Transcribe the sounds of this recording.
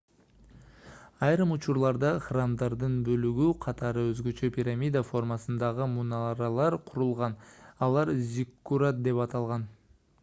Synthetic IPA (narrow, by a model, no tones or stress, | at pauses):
ɑjɾɯmut͡ʃuɾlˠɑɾd̪ɑχramd̪ɑɾd̪ɯnbø̞lyɡyqʰɑt̪ɑɾɯøzɡø̞t͡ʃø̞pʲiɾamʲid̪afo̞rmɑsɯnd̪ɑʁɯmunɑɾɑlˠɑɾqʰuɾulˠʁɑnɑlˠɑɾzʲikːuɾat̪̚d̪e̞pɑt̪ɑlˠʁɑn